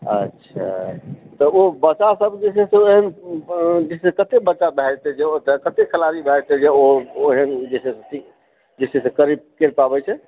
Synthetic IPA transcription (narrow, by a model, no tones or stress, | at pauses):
ə̰tːʃʰa̰t̪ɔobət͡ʃasəbd͡ʒesesẽeɦən | d͡ʒissekət̪ekbətːt͡ʃabɛd͡ʒt̪ɛd͡ʒeot̪əkət̪ekʰəlaɾibʱɛd͡ʒt̪ɛd͡ʒeoeɦənd͡ʒesesẽtʰik | d͡ʒisesẽkəɾib̚kelpabɛt͡ʃʰɛ